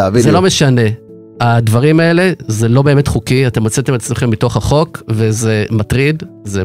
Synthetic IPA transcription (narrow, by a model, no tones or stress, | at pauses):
vizelo̞me̞ʃane̞ | advaʁimae̞le̞ze̞lo̞beme̞tχukiate̞mot͡set̪emet͡sme̞χemːito̞χhaχo̞kve̞zematʁid̪ze